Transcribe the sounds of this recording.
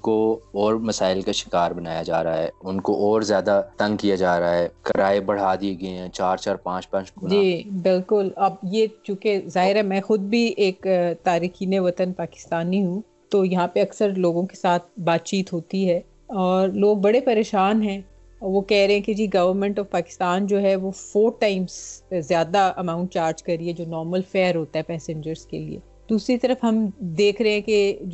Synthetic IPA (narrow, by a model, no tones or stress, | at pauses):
koɔːɾmɐsaːɪlkaʃɪ̥kaːɾbɐnaːjad͡ʒa̰ːɾɐaɦɛ̰ːʊnkoʔɔːɾzjaːd̪at̪ɐ̃ŋɡ̚kijad͡ʒaːɾɐaɦɛːkɐɾaːebɐɽ̤aːd̪ieɡɐeɦɛ̃t͡ʃaːɾt͡ʃaːɾpãːt͡ʃpɛ̃ːt͡ʃkund͡ʒiːbɪlkʊlɐbjeːt͡ʃjũːkezaːɦɪɾɦɛmɛ̃ːxʊd̪̚bʱieːkt̪aːɾiːxiːneʋɐt̪ənpaːkɪ̥st̪aːniɦũ | t̪ojɐɦãpeɐksəɾloːɡõke̥saːt̪ʰbaːt̪̚t͡ʃiːt̪ɦoːt̪iɦɛː | ɔːɾloːɡ̚bɐɽepɐɾeːʃaːnɦɛ̃ | ʋokɛɦɾẽɦɛ̃ked͡ʒiːɡɐʋəɾmɛ̃ɳʈɔːʋpaːkɪ̥st̪aːnd͡ʒoːɦɛʋofoːɾʈãːɪ̃mzzjaːd̪aʔɐmãːʊ̃ɳʈ̚t͡ʃaːɾd͡ʒkɐɾɾiɦɛd͡ʒoːnɔːɾməlfɛːɾɦoːt̪aɦɛpɛːsɪ̃ɲd͡ʒəɾz̥kḛlḭḛ | d̪uːsɾit̪ɐɾəfɦɐmd̪eːkʰɾɐɦeɦɛ̃ke